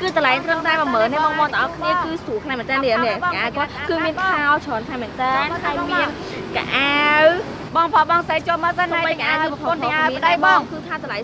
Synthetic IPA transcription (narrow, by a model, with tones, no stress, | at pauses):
kɨːt̪ə˨la˨˩jt̪rəmt̪aɛpməː˨nːɨ˧ɓɑ˧ŋɓɑ˧t̪əʔɑ˧kʰniəkɨːsu˩əkʰla˧mɛ̆˨˩nt̪ɛː˧nɗi˧ənikʔʔaː˧wkŏət̪̚kɨːmi˧ənkʰaɔwt͡ɕʰɔː˨nkʰla˧jmɛ̆ənt̪ɛː˧nhamiən | ka̰ʔaw | ɓɑ˧ŋpʰɑ˧ɓɑ˧ŋsə˧t͡ɕoəlməː˧sə˧na˧jəka˧ʔaː˧ɨ˧ppʰo˧nnʔa˧wpəɗə˧jɓɑːŋkɨːk̪ʰa˧wt̪ʰla˨j